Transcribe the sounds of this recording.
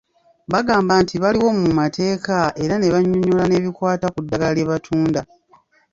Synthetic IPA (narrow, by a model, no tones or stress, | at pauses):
βaɡaːmbantiβaliwo̞mumatʰe̞ːkae̞ɾane̞βaɲːuɲulane̞βikwaːtakudːaɡaleβatʰuːnda